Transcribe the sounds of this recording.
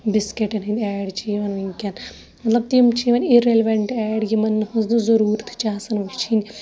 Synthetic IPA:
biskeʈɐnɦind̪ʲɛːɖt͡ʃʰiːʋɐniŋkʲɐn | mɐt̪lɐb̚t̪imt͡ʃʰiːʋɐniɾelʋɐɳʈɛːɽjimɐnːɨhɐznuzɐɾuːɾt̪ʰt͡ʃaːsɐnʋɐt͡ʃʰinʲi

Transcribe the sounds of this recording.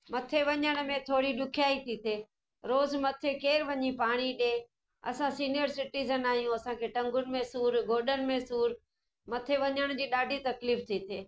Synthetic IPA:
mɐt̪ʰeʋɐɲəɽ̃mẽt̪ʰoːɽiɗʊkʰijaːit̪ʰit̪ʰeː | ɾoːzmɐt̪ʰekeːɾʋɐɲipaːɽ̃iɗe | ɐ̰sãsiːnijəɾsɪʈiːzənaːɦijũɐsãkʰeːʈɐ̃ŋɡʊnɪ̆mẽsuːɾɡʱoːɗənɪ̆mẽsuːɾ | mɐt̪ʰeʋɐɲəɽ̃d͡ʑiːɗaːɖʱit̪ɐkliːft̪ʰit̪ʰeː

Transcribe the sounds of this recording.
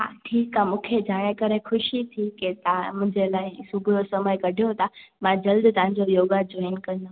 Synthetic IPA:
ɦa̰ʈʰiːkamũːkʰed͡ʑaːɽ̃ekəɾexʊʃit̪ʰiket̪mʊ̃ɪ̃ɲd͡ʑelaːɪsʊbʱʊɾosɐməkɐɖʱijot̪ʰamãd͡ʑɐld̪t̪ɐʋɦɪ̃ɲ̆d͡ʑojoːɡad͡ʑoːɪnkɐ̃nd̪o

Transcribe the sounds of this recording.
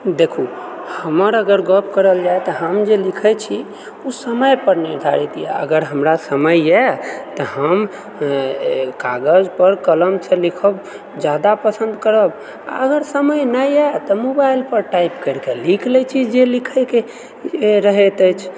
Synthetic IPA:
d̪ekʰuhəməɾəɡəɾɡəpʰkəɾəld͡ʒajt̪ɔɦəmd͡ʒelikʰɛjt͡ʃʰi | usəməjpəɾnid̪ʱaɾit̪ijɛ̰ə̰ɡəɾɦəmɾasəməjɛt̪ɔhəm | kaɡəd͡ʒpəɾkələmsə̃likʰəb | d͡ʒad̪apəsənd̪kəɾəb | a̰əɡəɾsəməjnəjɛt̪ɔmobajilpəɾʈajpkəɾkelikʰlɛt͡ʃʰid͡ʒelikʰəjke | ɾəɦet̪ət͡ʃʰ

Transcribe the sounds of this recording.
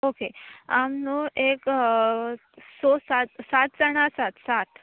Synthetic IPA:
okeamnoek | sosat̪sat̪̚t͡səɽ̃asat̪sat̪

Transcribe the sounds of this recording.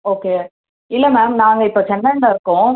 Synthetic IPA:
oːkeː | ɪlːɐmaːmnaːŋɡɐɪpːoːt͡ʃɛnɖɐɳɖaɪɾɯkːʊ̃

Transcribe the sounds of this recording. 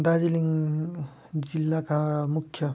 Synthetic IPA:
d̪ad͡ziliŋ | d͡zilːakamukʰjʌ

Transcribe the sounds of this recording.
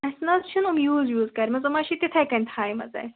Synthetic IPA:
ɐsnɐzt͡ʃʰunumjuːzjuːzkɐɾʲmɐzɐmɐːʃit̪it̪ʰɐjkɐnʲt̪ʰaːjmɐ̰zɐ̰j

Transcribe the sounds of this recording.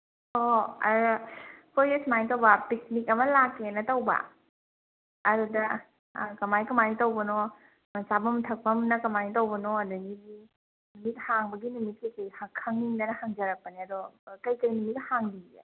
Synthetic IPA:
oɐ̰ | pʰoɾesmajtɐwbɐpik̚nikɐmɐlakːenɐtɐwbɐ̰ | ɐɾudɐ | kɐmajkɐmanitɐwbɐno | mɐsabɐmtʰɐk̚pɐmnɐkɐmanitɐwbɐnoɐdɐɡiɡi | numit̚haŋbɐɡinumit̚kɐjkɐjhakʰːaŋniŋdɐnɐhaŋzɐɾɐk̚pɐniɐdɔkɐjkɐjnumit̚haŋbiɡḛ

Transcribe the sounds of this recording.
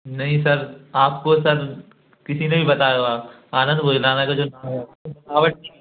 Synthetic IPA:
nɐɦĩsɐɾaːp̚kosɐɾ | kɪsinebʱibɐt̪aːjoaː | aːnə̃nd̪bʱoːd͡ʒlaːnakad͡ʒoːnaːmɦɛakobɐnaːʋəʈ̚i

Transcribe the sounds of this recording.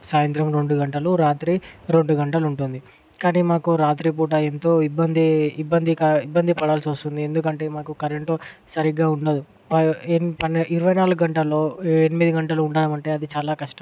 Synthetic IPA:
saːjɐnt̪ɾɐmɾe̞ɳɖuɡɐɳʈɐluɾaːt̪ɾiːɾe̞ɳɖuɡɐɳʈɐluɳʈund̪i | kaːniːmaːkuɾaːt̪ɾiːp̬uːʈ̬aːent̪o̞ːibːɐnd̪iibːɐnd̪ikaibːɐnd̪ipɐɽaːlsʋɐst̪und̪ie̞nd̪ukɐɳʈe̞ːmaːkukɐɾeɳʈoːsɐɾiɡːaːuɳɖɐd̪u | pɐpɐniɾuʋɐjnaːluɡɡɐɳʈɐlːo̞ːenimid̪iɡɐɳʈɐluuɳɖaːnɐmɐɳʈe̞ːɐd̪it͡ʃaːlaːkɐʂʈɐ

